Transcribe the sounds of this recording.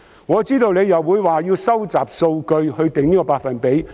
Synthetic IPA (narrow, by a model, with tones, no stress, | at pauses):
ŋɔː˨˧t͡siː˥t̪o˧wne˨˧jɐ˨wːuː˨˧jwaː˨jiː˧wsɐ˥wt͡saː˨˩p̚so˧wkɵ˧ɥhɵ˧ɥt̪ɪ˨ŋniː˥kɔ˧paː˧t̚fɐ˨npe˨˥j